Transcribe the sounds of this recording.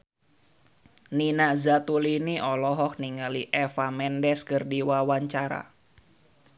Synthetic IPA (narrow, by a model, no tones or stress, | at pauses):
ninaʔzat̪uliniʔɔlɔɦɔk̚niŋaliʔɛfamɛndɛskərdiwawaɲt͡ʃaɾa̰